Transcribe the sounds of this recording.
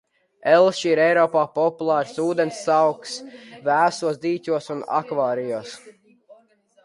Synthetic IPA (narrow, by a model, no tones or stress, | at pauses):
ɛlˠʃiɾɛjɾɔːpaːpɔpulˠaːɾsuːd̪ensːawksvæːsuɔsd̪iːt̪ʲuɔsuna̰kvaːɾijuɔs